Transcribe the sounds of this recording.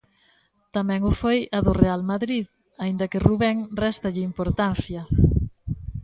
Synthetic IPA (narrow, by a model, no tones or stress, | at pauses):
t̪amɛ̃ŋʊfojɐðʊrealmaðɾið | aind̪ɐkɪruβɛŋrɛst̪ɐʎɪimpoɾt̪anθjɐ